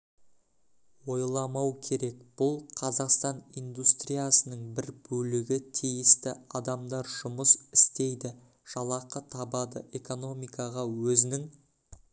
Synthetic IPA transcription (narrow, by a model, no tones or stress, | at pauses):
wo̞jlˠɑmɑwkʲʰe̞ɾe̞kb̥ʊlˠqʰɑzɑqst̪ɑnijnd̪ust̪ɾijasənəɴbɪɾbɵlɪɡʲɪt̪ʰijɪst̪ɪɑd̪ɑmd̪ɑɾʒʊməsɪst̪e̞jd̪ɪ | ʒ̥ɑlˠɑqət̪ʰɑbɑd̪əʔe̞ko̞no̞mijkɑʁɑwɵzɪnɪŋ